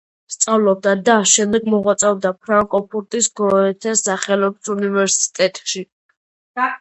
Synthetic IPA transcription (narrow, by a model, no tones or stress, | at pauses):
st̪sʼavlɔb̚d̪ad̪aːʃɛmd̪ɛɡmɔʁwat̪sʼɛɔb̚d̪apʰɾaŋkʼɔpʰuɾt̪ʼisɡɔɛt̪ʰɛsaχɛlɔbsunivɛɾsi̥t̪ʼɛt̪ʼʃi